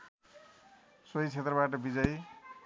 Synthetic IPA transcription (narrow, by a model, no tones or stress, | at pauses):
sojt͡sʰet̪rʌbaʈʌbid͡zʌj